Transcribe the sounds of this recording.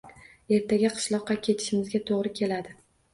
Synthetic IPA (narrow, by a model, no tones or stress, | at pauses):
e̞ɾt̪ʰaɡʲaqʰɨ̥ʃlˠɒqːɑkʲʰe̞t̪ʰɪ̥ʃɪmɪzɡʲat̪ʰoʁɾɪkʲʰe̞lad̪ɪ